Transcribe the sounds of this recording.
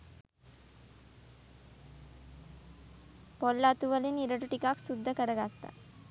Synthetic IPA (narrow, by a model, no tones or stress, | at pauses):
pɔlːat̪uʋəliniɾəʈuʈikaksud̪ʱːəkəɾəɡat̪ːa̰